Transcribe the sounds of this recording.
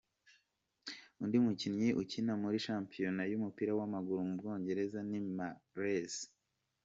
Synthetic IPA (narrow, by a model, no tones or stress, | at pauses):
undimucinɲiʔucinamuɾiʃaːmpijo̞najumupiːɾawamaɡuɾumubɡo̞ːɲɟe̞ɾe̞zanimaɾes